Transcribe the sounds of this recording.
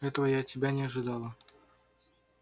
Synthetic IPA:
ɛt̪əvəjat̚ʲtʲːɪbʲanʲɪɐʐɨd̪ɑlˠə

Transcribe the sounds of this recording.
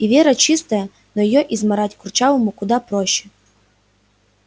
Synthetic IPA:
iʋʲeɛɾɐt͡ʃist̪ɐjɐ | nɔjɔjɔʔizmɐɾatʲkʊrt͡ʃaʋomʊkʊd̪ɑpɾɔʃt͡ʃɛ

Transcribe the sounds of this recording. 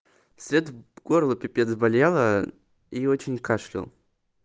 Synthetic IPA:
sʲɾʲet̪ɡ̥oɾlˠʊpʲɪpʲet̪zbalʲjalˠə | iot͡ɕɪnʲkaʂlʲɪ̰lˠ

